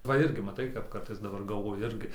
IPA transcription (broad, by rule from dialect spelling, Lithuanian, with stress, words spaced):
ʋɐ ˈɪrʲɡʲɪ mɐˈtɐɪ kɐp ˈkɐrtɐɪs dɐˈbɐr ɡɐlˠˈʋoːjʊ ˈɪrʲɡʲɪ